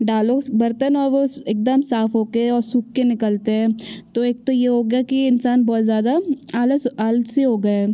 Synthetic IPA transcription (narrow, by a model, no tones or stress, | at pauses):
ɖaːloːbɐɾt̪ənɔːɾʋoeːk̚d̪əmsaːfɦoːkeɛ̃ɔːɾsukːenɪkəlt̪eɦɛ̃ːt̪oeːk̚t̪ojeɦoːɡjakiɪnsaːnbɔːt̪zjaːd̪aaːləaːlseɦoːɡɐɛː